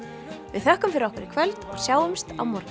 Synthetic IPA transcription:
vɪðθœhkʏmfɪɾɪɾɔhkvɪɾɪkʰvœlt̪ɔɣsjaːwʏmst̪a̰wmɔɾ

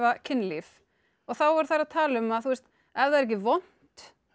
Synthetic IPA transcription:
vacʰɪnːlif | ɔɣθawvaɾ̥θaɾaðt̪ʰaːlʏmaðθust̪ | ɛvðaɾɛc̬ɪvɔn̥t̪

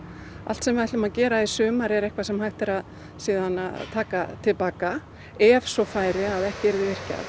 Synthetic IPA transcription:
a̰l̥t̪sɛmvaht̪lʏmaðcɛːɾaisʏːmaɾɛɾɛhkvasɛmhajht̪ɪɾað | siːðanat̪ʰaːkat̪ʰɪlpaːka | ɛvsɔfaːjɾɪaðɛhcɪɛɾðɪvɪr̥ca̰ð

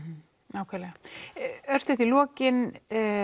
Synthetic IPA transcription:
naːwkʰvɛɾlɛɣa | œɾ̥st̪ʏht̪ilɔːcɪn

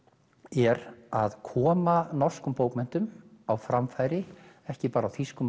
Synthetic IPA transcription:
ɛɾaðkʰɔːmanɔr̥skʏmpoːwkmɛn̥t̪ʏmawfɾamfajɾɪ | ɛhcɪpaːɾawθiskʏm

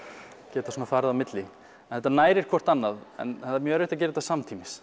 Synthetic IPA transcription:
cɛːt̪asuːnafaːɾðamɪt̪lɪ | nθɛht̪ːanaːjɾɪɾ̥kʰvɔr̥t̪anːaðɛ̰nθat̪ːɾmjœːɛɾɪht̪acɛːɾɪt̪asamt̪ʰiːmɪs

